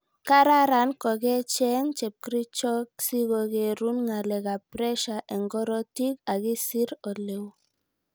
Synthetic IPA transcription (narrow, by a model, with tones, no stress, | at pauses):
ka˦ɾa˦ɾa˨˦nkɔ˨ɡɛ˦t͡ʃɛ˦ŋt͡ʃɛ˨p̚kɾi˦t͡ʃɔ˦ksi˦ɣɔ˨ɡe˨ɾu˦nŋa˨lɛ˨ɣa˨pɾɛ˦ʃa˨ʔɛ˨ŋɡɔ˦ɾɔ˦ti˦ka˨ɣi˦si˦ɾɔ˨le˨w